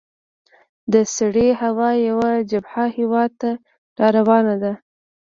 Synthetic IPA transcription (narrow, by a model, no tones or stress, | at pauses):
d̪əsaɽehawɑjawad͡ʒabhahewɑd̪̚t̪a | ɾɑɾawɑnad̪a